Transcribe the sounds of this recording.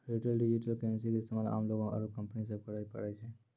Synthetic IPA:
ɾiʈəlɖɪd͡ʒiʈəlkɛns̬ikeɪst̪emaːla̰ːmloːɡõkɐ̰ɾukɐ̃mpnis̬əɾpəɽaipɐ̰ɽat͡ʃʰe

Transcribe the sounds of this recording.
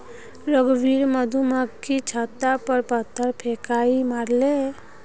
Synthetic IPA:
ɾəɡbiɾməd̪ʱuməkkːit͡ʃʰat̪ːapəɾpət̪ʰːəɾpʰekaimaɾle

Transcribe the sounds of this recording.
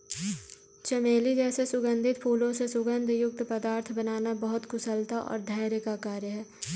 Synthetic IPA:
t͡ʃɐmeːlid͡ʒɛːsesʊɡə̃nd̪ʱɪt̪pʰuːlõsesʊɡə̃nd̪ʱjʊk̚t̪pəd̪aːɾt̪ʰbɐnaːnabɐɦʊt̪kʊsəlt̪aʔɔ̰ːɾd̪ʱaːɾjəkakaːɾjəɦɛː

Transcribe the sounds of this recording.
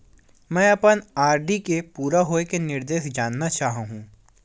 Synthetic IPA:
mɛ̃ːɐpənaːɾɖikepuːɾaɦoːekenɪɾd̪eːʃd͡ʒaːnːat͡ʃaːɦɦũː

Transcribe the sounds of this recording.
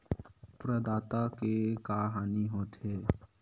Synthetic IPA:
pɾəd̪aːt̪akekaːɦaːniɦoːt̪eː

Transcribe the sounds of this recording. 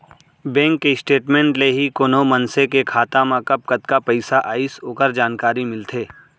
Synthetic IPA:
bɛ̃ːŋkːeɪsʈeːʈmẽɳʈleɦikoːnomɐnsekekʰaːt̪amãkɐp̚kɐt̪kapɐɪsaʔaːisoːkəɾd͡ʒaːnkaːɾimɪlt̪ʰeː

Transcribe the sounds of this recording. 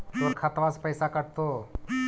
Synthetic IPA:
t̪oɾkʰat̪ʋaspəjsakəɽt̪o

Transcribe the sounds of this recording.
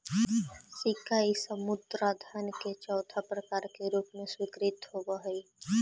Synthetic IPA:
sɪkaisəmʊd̪ɾad̪ʱaːnket͡ʃɔːt̪ʰapɾəkaːɾkeɾuːpmẽswɪkɾɪt̪ɦobəɦəi

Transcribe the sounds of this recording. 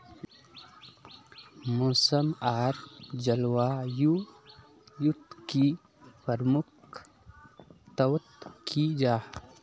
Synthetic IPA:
moːsəmaːɾd͡ʒəlwaːju | jut̪ki | pəɾmʊk | t̪əwt̪kʰid͡ʒaː

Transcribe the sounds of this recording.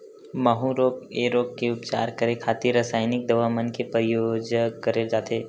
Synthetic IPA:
məɦuɾoːkeːɾoːk̚keʊpt͡ʃa̰ːɾkəɾekʰaːt̪iɾəsaːɪnɪk̚d̪ɐʋamənkepɾəjoːd͡ʒəəɾed͡ʒaːt̪eː

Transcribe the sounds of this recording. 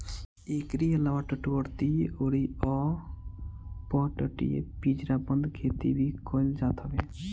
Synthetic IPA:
ekɾielawaʈɔʈbɔɾt̪ioɽiɔ | pɔʈɔʈḭḛpid͡ʒɾabɔnd̪kʰet̪ḭbikʰojld͡ʒat̪ʰɔbe

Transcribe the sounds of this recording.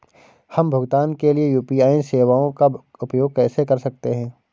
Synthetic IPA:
hɐmbʱɐɡt̪aːnkeliejuːpiaːinseːʋaːõka | ʊpjoːɡ̚kɛːsekɐɾsɐk̚t̪eɦɛ̃ː

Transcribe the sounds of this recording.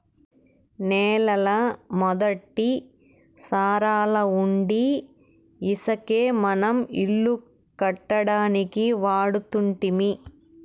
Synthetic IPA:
neːlɐlɐmɔd̪ɐʈːi | saːɾaːlɐuɳɖiː | sɐkeːmɐnɐmḭlːu | kɐʈːɐɽaːnikiʋaːɽut̪uɳʈimi

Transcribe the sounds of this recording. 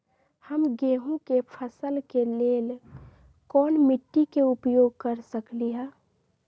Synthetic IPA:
həmɡeːɦũkepʰəsəlkeleːl | kɔːnmɪʈːikeʊpjoːɡ̚kəɾsəkliɦɛ̃ː

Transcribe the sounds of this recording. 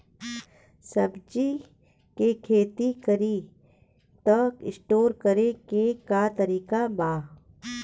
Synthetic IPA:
səbd͡ʒi | kekʰeːt̪ikəɾi | t̪əkɪsʈoːɾkəɾekekat̪əɾiːkabaː

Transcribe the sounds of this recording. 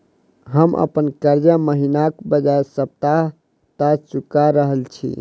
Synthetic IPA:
ɦəmʔə̰pənkəɾd͡ʒaməɦinakbəd͡ʒaesəp̚t̪aɦ | t̪ad͡ʒt͡ʃukaɾəɦəlt͡ʃʰḭ

